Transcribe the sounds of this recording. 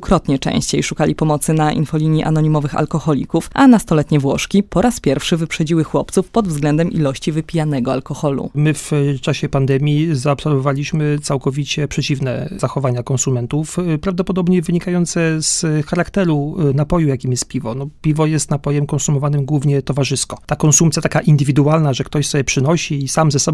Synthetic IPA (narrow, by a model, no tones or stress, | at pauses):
ukɾɔt̪ɲɛt͡ʂɛ̰̃ɕt͡ɕejʂukalʲipɔmɔt̪sɘnaʔḭnfɔlʲiɲiʔa̰nɔɲimɔvɘxa̰lkɔxɔlʲḭkufʔanast̪ɔlɛt̪ɲɛvwɔʂkʲipɔɾaspʲjɛɾfʂɘvɘpʂɛd͡ʑiwɘxwɔpt̪sufpɔd̪vzɡlɛnd̪ɛmʔḭlɔɕt͡ɕivɘpʲijanɛɡɔalkɔxɔlṵmɘft͡ʂaɕɛpand̪ɛmʲjizaɔpsɛɾvɔvalʲiɕmɘt̪sawkɔvʲit͡ɕɛpʂɛt͡ɕivnɛ̰z̥axɔvaɲakɔnsumɛnt̪ufpɾavd̪ɔpɔd̪ɔbɲɛvɘɲikajɔnt̪sɛzxaɾakt̪ɛɾunapɔjujakʲimjɛst̪̚pʲivɔnɔpʲivɔjɛst̪napɔjɛmkɔnsumɔvanɘmɡwuvɲɛt̪ɔvaʐɘskɔt̪akɔnsump̪sʲjat̪akaʔind̪ɘvʲid̪ualnaʐɛkt̪ɔɕsɔbʲjɛpʂɘnɔɕiːsamzɛsɔb